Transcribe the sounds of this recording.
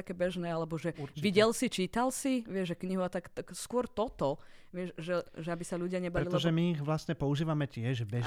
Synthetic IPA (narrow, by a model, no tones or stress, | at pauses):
akɛːbɛʒnɛːalɛbɔʒɛʋiɟɛlsit͡ʃiːt̪alsiʋɪɛʒʒɛkɲiɦuat̪akt̪akskʊɔɾt̪ɔt̪ɔʋɪɛʃʒɛʒɛabisaʎuɟɪaɲɛbalɛilt̪ɔɛʒɛmiiɣʋlast̪ɲɛpɔuʒiːʋamɛcɪɛʒbɛ